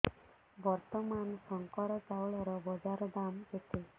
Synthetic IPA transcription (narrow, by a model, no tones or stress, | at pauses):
bɔɾt̪ɔmansɔŋkɔɾɔt͡ʃawɭɔɾɔbɔd͡ʒaɾɔd̪amet̪ʰe